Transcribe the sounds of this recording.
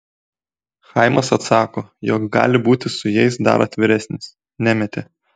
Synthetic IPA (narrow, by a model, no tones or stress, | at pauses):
xɐɪmɐsɐt̪sɑːkoːjɔkɡɑ̰ːlʲɪbuːt̪ʲɪsʊjɛɪsd̪ɐ̰ɾʔɐt̪ʲʋʲɪɾʲæsʲnʲɪs | nʲæmʲɛt̪ʲe